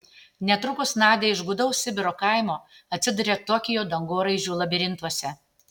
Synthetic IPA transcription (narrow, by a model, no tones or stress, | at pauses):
nʲɛt̪ɾʊkʊsnɑːd̪ʲeːɪʒɡʊd̪ɐʊssʲɪbʲɪɾoːkɑˑɪmoːɐt̪ʲsʲɪd̪ʊɾʲeːt̪ɔːkʲɪjoːd̪ɐŋɡoːɾɐɪʒʲuːlˠɐbʲɪɾʲɪnt̪uɔsʲɛ